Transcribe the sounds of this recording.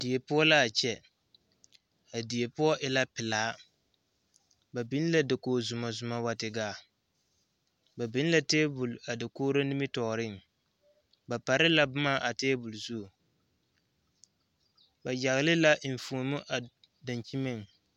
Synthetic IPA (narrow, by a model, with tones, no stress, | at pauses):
di˨e˨pʊ˦ɔ˦la˦a˨t͡ʃɛ˨ | a˨di˨e˨pʊ˦ɔ˦ʔɪ˦la˦pɪ˨laː˨˦ | ba˨bi˦n˦la˦dɪ˨koː˨zʊ˨ma˨zʊ˨ma˨wa˨tɪ˨ɡaː˨ | ba˨bi˦n˦la˦teː˦bʊ˨la˨dɪ˨koː˦ɾo˦ni˦mɪ˦tɔː˨ɾɪ˦˨ŋ˨ | ba˨pa˨ɾɪ˦la˦bʊ˦ma˦˨ʔa˨teː˦bʊ˨lzu˦˨ | ba˨d͡ʒa˨ɣlɪ˦la˦ʔɱ̩˨fu˨mʊ˦ʔa˨ | da˨nt͡ʃi˦mɪ˦ŋ˨